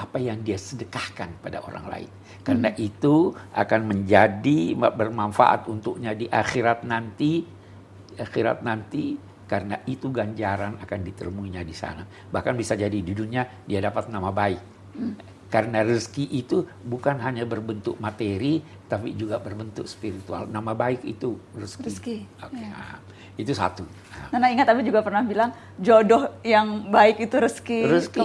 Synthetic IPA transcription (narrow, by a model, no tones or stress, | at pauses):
ʔapajaŋdiasədəkahkanpada̰ʔo̰ɾa̰ŋla̰ɪ̰n | kaɾənaʔit̪uʔa̰kanməɲd͡ʒadimbərmanfa̰ʔa̰t̪unt̪ʊk̚ɲadiʔaxiɾat̪̚nant̪i | axiɾa̰t̪̚nant̪i | kaɾənaʔit̪uɡaɲd͡ʒaɾanakandit̪ə̰rmuiɲadisa̰na | bahkanbisad͡ʒadidudukɲadiadapat̪̚namabaɪk̚ː | aɾənarəskiʔit̪ubukanɦaɲabərbənt̪ʊk̚mat̪eɾi | t̪apḭd͡ʒuɡabərbənt̪ʊk̚spiɾit̪ua̰lnamabaɪkḭt̪urəsikokea̰m | it̪usa̰t̪u | a̰anaiŋat̪ːapid͡ʒuɡapərnahbilaŋ | d͡ʒodɔhjaŋbaɪkit̪uɾəskiɾəski